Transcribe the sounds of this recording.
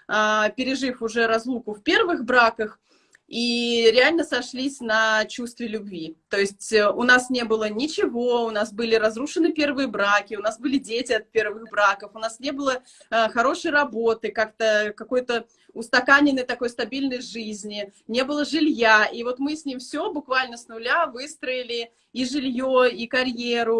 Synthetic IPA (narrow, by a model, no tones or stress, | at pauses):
apʲɪɾʲɪʐɨfʊʐɛɾɐzlˠukʊfpʲe̞rvɨxbɾakəx | iɾʲɪalʲnəsɐʂlʲisʲnɐt͡ɕust̪vʲɪlʲʊbvʲit̪o̞ɪsʲtʲʊnasnʲe̞bɨlˠənʲɪt͡ɕɪvo̞ʊnasbɨlʲɪɾɐzruʂɨnːɨpʲe̞rvɨjəbɾakʲɪʊnasbɨlʲɪdʲetʲɪɐt̪̚pʲe̞rvɨxbɾakəfʊnasnʲe̞bɨlˠə | xɐɾo̞ʂɨjrɐbot̪ɨkakt̪əkɐko̞jt̪ə | ʊst̪ɐkanʲɪnːəjt̪ɐko̞jst̪ɐbʲilʲnəjʐɨzʲnʲɪnʲe̞bɨlˠəʐɨlʲjaivo̞t̪mɨsʲnʲimfsʲobʊkvalʲnəsnʊlʲavɨst̪ɾəɪlʲɪ | iʐɨlʲjoikɐɾʲjeɾʊ